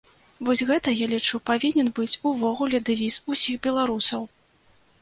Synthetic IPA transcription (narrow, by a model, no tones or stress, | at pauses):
vɔsʲɣɛt̪ɐjalʲit͡ʂupavʲinʲɛnbɨt͡sʲuvɔɣulʲɛd̪ɨvʲizusʲixbʲɛlˠaɾusɐw